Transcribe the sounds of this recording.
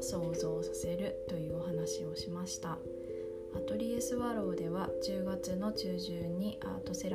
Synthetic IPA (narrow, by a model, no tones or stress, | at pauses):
so̞ːzo̞ːsase̞ɾɯ̟t̪o̞jɯ̟ːo̞ɦanaɕio̞ɕimaɕi̥t̪a | at̪o̞ɾʲiesɨβaɾo̞ːd̪e̞β̞at͡ɕɨːɡat͡sɨno̞t͡ɕɨːʑɨːɲ̟iʔa̰ːt̪o̞se̞ɾ